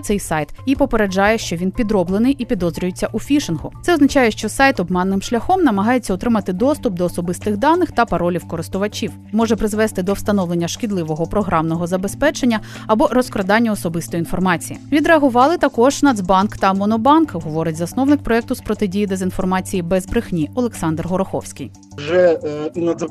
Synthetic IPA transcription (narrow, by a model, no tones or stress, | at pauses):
t̪sɛjsɑjt̪ipɔpeɾed͡ʒɑjɛʃt͡ʃɔʋʲinpʲid̪ɾɔblˠenɪjʔipʲid̪ɔzɾʲʊjet͡sʲːɐʔufʲiʃɪnɦʊt̪sɛɔznɐt͡ʃɑjɛʃt͡ʃɔsɑjt̪ɔbmɛnːɪmʃlʲɐxɔmnɐmɐɦɑjet͡sʲːɐʊt̪ɾɪmɐt̪ɪd̪ɔst̪ʊp̚d̪ɔːsɔbɪst̪ɪɣd̪ɑnːɪxt̪ɐpɐɾɔlʲiwkɔɾɪst̪ʊʋɐt͡ʃʲiw | mɔʒɛpɾɪzʋɛst̪ɪd̪ɔwst̪ɐnɔʋlˠenʲːɐʃkʲidlˠɪʋɔɦɔpɾɔɦɾɑmnɔɦɔzɐbespɛt͡ʃenʲːɐ | ɐbɔɾɔskɾɐd̪ɑnʲːɐɔsɔbɪst̪ɔjinfɔrmɑt͡sʲijḭʋʲid̪ɾeɐɦʊʋɑlˠɪt̪ɐkɔʒ̥nɐd̪zbɑnkt̪ɐmɔnɔbɑnkɐɦɔʋɔɾʲɐtʲzɐsnɔwnɪk̚pɾɔɛk̚t̪ʊspɾɔt̪ɪdʲijid̪ezʲinfɔrmɑt͡sʲijibɛzbɾɪxnʲiɔlˠeksɑnd̪rɦɔɾɔxɔ̰wsʲkʲij | ʒɛinɐz